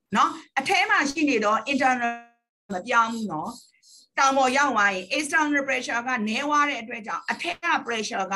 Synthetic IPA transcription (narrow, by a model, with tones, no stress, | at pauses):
nɔ˨˦ʔətʰɛ˦m̥a˨ʃḭ˦˨ne˨d̪ɔ˦ʔɪ̃˨ntə˨nə | mə˨pjã˦ʊ̃mu˦˨nɔ˦ | tã˨ʊ̃mbɔ˨ja˦˨ʊʔwa˦jɪ̃˨ʔɪ˨stã˨nɹe˨pɹɛ˨ʃa˨ɡa̰˦˨nɛ˨˦wa˦ɾɛ̰˦ʔətwɛ˦ʔt͡ɕã̰˦˨ʊ̃ʔətʰɛ˦ɡa̰˦˨pəɹɛ˨ʃa˨ɡa̰˦˨